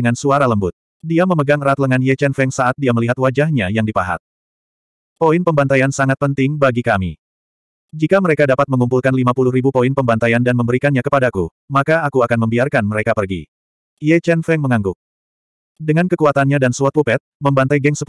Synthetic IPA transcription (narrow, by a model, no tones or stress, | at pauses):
əŋansuaɾaləmbʊt̪̚ | diaməməɡaŋrat̪̚ləŋanjet͡ʃɛnfɛŋsaat̪̚diaməliɦat̪wad͡ʒahɲajaŋdipaɦa̰t̪̚ | poinpəmbant̪ajansaŋat̪̚pənt̪ɪŋbaɡikamḭ | d͡ʒikaməɾekadapat̪̚məŋumpulkanlimapulʊhɾibupoɪnpəmbant̪ajandanməmbəɾikanɲakəpadaku | makaːkuakanməmbiarkanməɾekapərɡḭ | jet͡ʃɛnfɛŋməŋaŋɡʊk̚ | dəŋankəkuat̪anɲadansuat̪̚pupɛt̪̚məmbant̪ajɡɛŋsəp